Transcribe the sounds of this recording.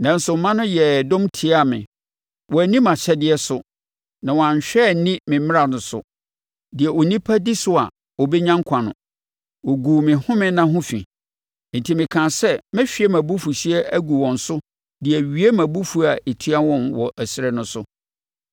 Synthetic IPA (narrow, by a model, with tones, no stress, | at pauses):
nã˨n̩˦sʊ˨˦mã˦nʊ̃˦jɛ˨dɔ̃˦mtʰi˨a˦˨mɪ̰̃˨ | wɔ˨æ˨nĩ˦mã˨ɕɛ˦dɪ˦ɛ˦sʊ˨ | nã˨wɔ˨ã˨ɲ˨ɕᶣɛ˦˨nĩ˦mɪ̃˨mɪ̃˦ɾa˨nʊ̃˨sʊ̰˨ | dɪ˨ɛ˨ʔo˨nĩ˦pʰa˦di˦sʊ˦a̰˨ | ɔ˨bɛ˦ɲã˦ŋkʷʰã˨nʊ̰̃˨ | wo˨ɡu˨mɪ̃˨hʊ̃˦mɪ̃˦nã˦ɦʊ̃˦fḭ̃˨ | n̩˨tʰi˨mɪ̃˨kʰã˨sɛ˦mɪ̃˦ɕᶣi˨ɛ˦mæ̃˨bu˦fu˨ɕi˦ɛ˦ʔæ˦ɡu˨wɔ̃˨n̩˨sʊ˦ | dɪ˨ɛ˨ɥi˨˦e˦mæ̃˨bu˦fu˦a˨e˨tʰi˦a˦wɔ̃˦mwɔ˨ʔæ˨sɪ˦ɾɛ˨nʊ̃˦sʊ˦